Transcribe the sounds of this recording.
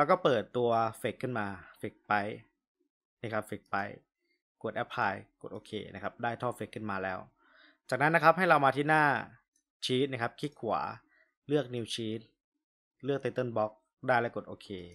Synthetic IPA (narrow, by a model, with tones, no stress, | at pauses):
ɾɛ˧˦˥kɔː˥˩pɤː˨˩t̪ːu˧ɐfe˨˩kʰːɯ˥˩nmaː˧fe˨˩k̚pa˦j | na˦˥˩kʰa˦˥p̚fe˨˩k̚pa˧˥j | ku˨˩ət̪ʔɛ˦˥pʰːaː˧jko˨˩t̪̚ʔoː˧kʰḛː˧nʔa˦˥kʰa˦˥p̚daː˥˩jt̪ʰɔː˥˩fe˨˩kʰːɯ˥˩nmaː˧lɛː˦˥w | t͡ɕaː˨˩k̚na˦˥nːa˦˥kʰa˦˥p̚ɦa˥˩jɾa˧wmaː˧t̪ʰiː˥˩naː˥˩ | t͡ɕʰiː˦˥t̪̚na˦˥kʰa˦˥p̚kʰi˦˥kʰu˨˩˦ | lɯ˥˩ək̚niː˧wt͡ɕʰiː˦˥t̪̚ | lɯ˥˩ək̚t̪e˧t̪ɤ˥˩nbɔ˦˥k̚ | daː˥˩jlɛ˦˥ko˨˩t̪ʔoː˧kʰeː˧